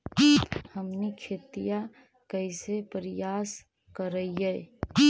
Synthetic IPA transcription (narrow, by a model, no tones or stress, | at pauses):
həmnikʰeːt̪ija | kəɪsepəɾɪjaːs | kəɾəiɛ